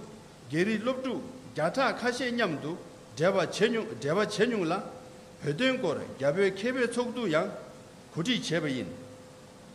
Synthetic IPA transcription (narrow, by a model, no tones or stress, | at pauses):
ceɹiʔlop̚ʈ͡ʂuʔcaʈ͡ʂʰaʔkʰaɕɛːɲamt̪u | paʈ͡ʂɛːwat͡ɕeɲuŋla | pʰøːt̪̬ønkɔɹcapøːkʰɛːpɛːt͡sʰɔk̚t̪ujaŋ | kʰoʈ͡ʂʰiʔt͡ɕɛːpajin